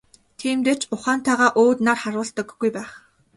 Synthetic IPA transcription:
t̪ʰiːmt̪eːt͡ɕʊχaːnt̪ʰaːʁaːʔoːt̪naːrχaɾʊːɮt̪ə̆kːujpæːχ

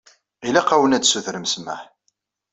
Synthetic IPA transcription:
ilæqɑwənæd̪suθɾəmsma̰ħ

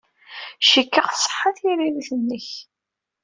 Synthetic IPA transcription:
ʃikːəʁθsˤə̥ħaθjiɾiliθənːəç

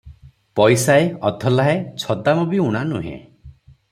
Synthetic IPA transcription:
pɔjsaeɔd̪ʱɔlaɦet͡ʃʰɔd̪amɔbiuɽ̃anuɦḛ̃

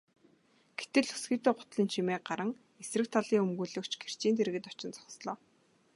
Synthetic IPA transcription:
ɡ̥et̪ɘ̆ɮu̥sɡiːt̪eːɢʊ̥t̪ɮiːnt͡ɕʰimeːɢaɾə̆ŋ | esrɘ̆k̚t̪ʰaɮiːŋumɣuːɮɵ̆kt͡ɕɡe̥r̥t͡ɕiːnt̪ʰeɾɘ̆ɣɘ̆t̪ɔt͡ɕɪ̆nt͡sɔ̥χsɮɔː

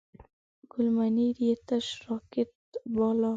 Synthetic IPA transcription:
ɡ̥ʊlmaniɾiet̪aʃɾɔket̪̚bɔlɔ

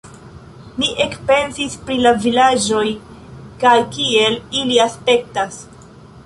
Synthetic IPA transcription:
miʔe̞kpe̞nsispɾilavilad͡ʒo̞j | kajkie̞liliaspe̞k̚tas

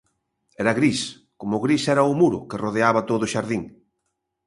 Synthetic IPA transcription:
ɛɾɐɣɾis | komʊɣɾisɛɾɐʊmuɾʊ̰keroðeaβɐt̪oðʊʃaɾðiŋ

